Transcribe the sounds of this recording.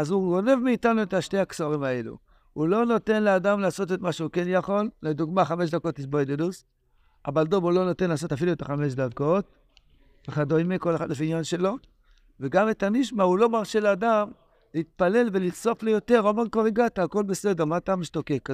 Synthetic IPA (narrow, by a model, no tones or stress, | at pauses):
azuɡo̞ne̞vmeːtanuetaʃte̞haksaʁimae̞lṵ | ulo̞no̞te̞nleadamlaːso̞tetmaʃeukenjaχo̞lːed̪uɡmaχame̞ʃ̬dako̞t̪liʃboed̪edus | a̰baldomulo̞notenlaːso̞tafiluet̪aχame̞ʃ̬dako̞t̚ | eχadoimeko̞lexa̰dlefinjanʃe̞lo̞ | veɡametaniʃmaulo̞maʁʃeladam | leit̪̚pale̞lve̞lit͡so̞flejo̞te̞ʁomeʁkoʁiɡat̪aːko̞lbe̞se̞de̞ʁmat̪amiʃto̞ke̞k